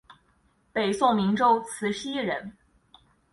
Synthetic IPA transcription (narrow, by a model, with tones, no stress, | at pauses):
pe˨˩ɪsɔ˥˩mi˧˥ŋʈ͡ʂo˥ʊt͡sʰɹ̩˧˥ɕi˥ɻə˧˥n